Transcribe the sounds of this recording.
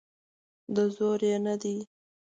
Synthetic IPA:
d̪əzoɾjenad̪i

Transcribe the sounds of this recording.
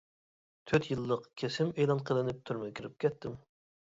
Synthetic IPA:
t̪ʰøt̪jɨlˠːəqkʲʰesɪmejlˠɑnqʰəlˠɨnɪp̚t̪ʰyɾmɛkʲʰiɾɪp̚kʲʰɛt̪ʰːɪm

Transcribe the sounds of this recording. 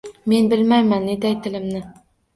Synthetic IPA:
me̞nbɪlmajmanːed̪ajt̪ʰɪlɪmnɪ

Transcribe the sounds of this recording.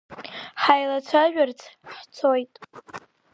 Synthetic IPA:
ħajlat͡sʷʰaʒʷᶣart͡sʰħt͡sʰojtʼ

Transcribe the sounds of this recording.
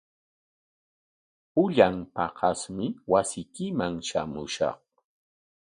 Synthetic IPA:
ʊʎampɑqɑsmɪwasɪjkɪmaŋʃa̰mʊ̰ʃɑ̰q

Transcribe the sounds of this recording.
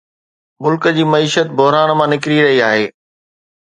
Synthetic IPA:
mʊlkəd͡ʑiːmɐiːʃət̪bʊɦɾaːnmãnɪkɾiɾɐɦiaːɦeː

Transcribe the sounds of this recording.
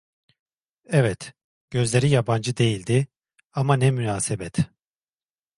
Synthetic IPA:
ɛvɛt̪ | ɟ̥ø̞zlʲe̞ɾijaband͡ʒɯd̪e̞jilʲd̪ɪ | amanɛmynaːsebɛt̪ʰ

